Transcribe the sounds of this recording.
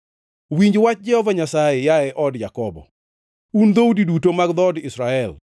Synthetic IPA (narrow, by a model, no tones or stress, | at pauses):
wiɲd͡ʒwat͡ʃ̚d͡ʒɛhɔvaɲasajɛjaɛʔɔdjakɔbɔ̰ | und̪oudidutomaɡd̪ɔdɪsɾaɛl